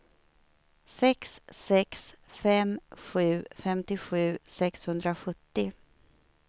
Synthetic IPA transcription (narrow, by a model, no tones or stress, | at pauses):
sɛksːɛksfɛmɧʉ̟ːfɛmt̪ɪɧʉ̟ːsɛkshɵnd̪ɾaɧɵt̪ːɪ